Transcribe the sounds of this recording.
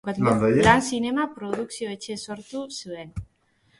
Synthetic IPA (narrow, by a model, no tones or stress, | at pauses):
land̪ajelansine̞mapɾo̞ðuksio̞e̞t͡ʃe̞so̞ɾt̪usue̞n